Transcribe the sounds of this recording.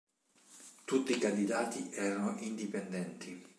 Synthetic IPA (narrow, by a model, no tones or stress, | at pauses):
t̪ut̪ːikand̪id̪aːt̪iʔɛːɾanoʔind̪ipɛnd̪ɛnt̪ʰi